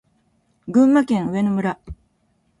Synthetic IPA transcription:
ɡɯ̟̃mːakẽ̞ɰ̃ɯ̟e̞nomɯ̟ɾa

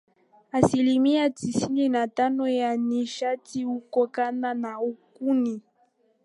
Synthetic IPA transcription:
asilimiatisininatanɔjaniʃatiukɔkananaukuni

